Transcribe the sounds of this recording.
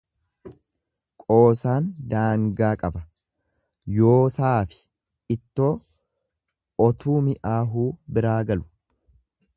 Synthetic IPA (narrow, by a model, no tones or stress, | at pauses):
kʼo̞ːsaːnd̪aːŋɡaːkʼɐbɐ | joːsaːfɪ̥ | ɪt̪ːo̞ː | ɔt̪uːmɪʔaːɦuːbɪɾaːɡɐlʊ̥